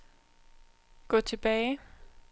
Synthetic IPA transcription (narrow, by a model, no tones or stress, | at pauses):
ɡ̥ɔ̰ːt͡sʰe̝b̥ɛːɪ